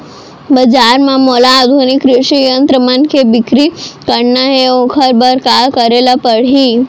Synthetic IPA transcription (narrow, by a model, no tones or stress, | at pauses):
bəd͡ʒaɾmãmolaːd̪ʱunikɾuʂijənt̪ɾəmankʰebikɾikəɽnəɦeõkʰəɾbəɾkalkəɾelapəɽ̤i